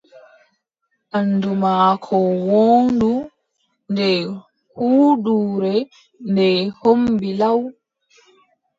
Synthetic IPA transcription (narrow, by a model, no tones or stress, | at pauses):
ʔanːdumaːkʰɔwoːndu | ndɛ | huːɗuːɾɛ | ndɛhombilaw